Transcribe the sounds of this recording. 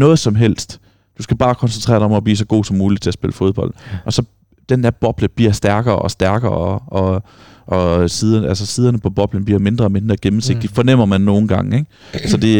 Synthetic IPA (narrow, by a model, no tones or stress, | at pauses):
nɔ̽ːð̞̩ˠsɒ̽mɦel̰sd̥ | d̥usɡ̥æb̥ɑ̈ːkʰɒ̽nsent͡sʰʁɛ̰ːɐɾɑ̈ɒ̽mɒb̥lḭːsɒɡ̥o̝̰ːsɒ̽mːuːlid̥t͡sʰe̝æɐsb̥e̝ləfo̝ðˠb̥ɒ̽l̰d̥ʔɒ̽sɒ̽ | d̥enæɐb̥ɒ̽b̥ləb̥iɐsd̥æɐɡ̥ɐːɒ̽sd̥æɐɡ̥ɐːɒɒ̽ | ʔɒ̽siːðˠɐnælsəsiːðˠɐnəpʰɒ̽b̥ɒ̽b̥lən̩b̥liɐme̝nd̥ʁɐ̽ːme̝nd̥ʁɐːɡ̥emm̩se̝ɡ̥̚d̥ifɒ̽nem̰ɐmænːo̝ːn̩ɡ̥ɑ̈ŋeɡ̥ | sɒ̽d̥e̝